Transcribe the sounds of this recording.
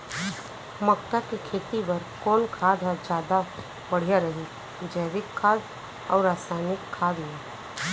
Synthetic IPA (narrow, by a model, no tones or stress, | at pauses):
məkt̪akikʰeːt̪ibɐɾkɔːnkʰaːd̪ʱad͡ʒjaːd̪a | bɐɽ̤ijaɾɐɦi | d͡ʒəɪʋɪkʰːaːd̪ | ɔ̰ːɾaːsaːnɪkʰːaːd̪i